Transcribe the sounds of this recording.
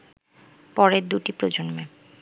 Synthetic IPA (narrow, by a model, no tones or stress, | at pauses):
pɔɾeɾd̪uʈipɾod͡ʑonme